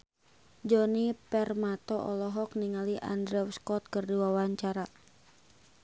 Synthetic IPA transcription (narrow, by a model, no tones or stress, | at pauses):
d͡ʒɔnipɛrmat̪ɔʔɔlɔɦɔkniŋaliʔa̰ndɾɛwskɔt̪̚kərdiwawaɲt͡ʃaɾa